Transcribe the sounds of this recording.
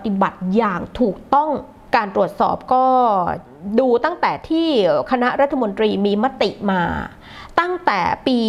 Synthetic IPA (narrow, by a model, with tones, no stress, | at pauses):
t̪i˨˩ba˨˩t̪̚jaː˨˩ŋt̪ʰuː˨˩k̚t̪ɔ˥˩ŋ | kaː˧nt̪ɾu˨˩ət̪̚sɔ̰ː˨˩p̚kɔː˥˩ | duː˧t̪a˥˩ŋt̪ɛː˨˩t̪ʰiː˥˩kʰa˧na˦˥ʔɾa˦˥t̪ʰːa˧mo˧nt̪ɾiː˧miː˧ma˦˥t̪i˨˩ʔmaː˧ | t̪a˥˩ŋt̪ɛː˨˩piː˧